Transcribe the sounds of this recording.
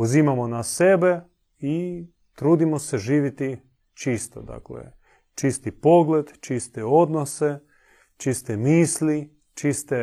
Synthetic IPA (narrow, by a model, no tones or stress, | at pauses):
uzimamonasebe | i | t̪ɾuːd̪imoseʒiːʋit̪i | t͡ʃist̪o̰d̪a̰klḛ | t͡ʃist̪ipo̞ɡled̪t͡ʃist̪eo̞d̪nose | t͡ʃist̪emiːsli | t͡ʃist̪e